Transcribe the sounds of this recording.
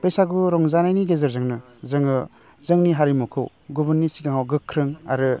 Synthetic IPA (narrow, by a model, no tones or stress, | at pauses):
b̥esaɡuɾɔŋzanajniɡezaɾzɯŋnɯ | zɯŋɯ | zɯŋniɦaɾimukʰɯw | ɡubɯɾnisikaŋawɡɯkʰːɾɯŋaɾɯ